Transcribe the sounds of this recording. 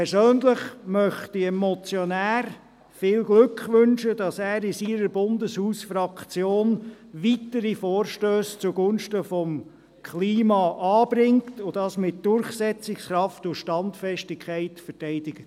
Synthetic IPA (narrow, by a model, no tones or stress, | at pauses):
pʰɛɾsøːnləχmœχtiɛmɔt͡sjɔnæːɾ | fɪːlɡlɵkχʋʏnʃəd̥ɑsæːɾɪsiɾəɾbʊndəshuːsfɾɑkt͡sjoːn | ʋitəɾifɔːɾʃtøːst͡suɡ̥ʊnʃtəfɔm | kʰliːmɑʔɑːb̥ɾɪŋtʊdɑsmɪt̚d̥ʊɾχsɛt͡sɪksχɾɑftʊʃtɑntfɛʃtɪkʰχɛɪtfəɾtɛɪd̥ɪɡ̥ə